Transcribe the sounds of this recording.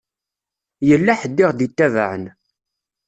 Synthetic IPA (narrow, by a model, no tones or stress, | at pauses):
jəlːæħəd̪ːɪʁd̪it̪ːæva̰ʕən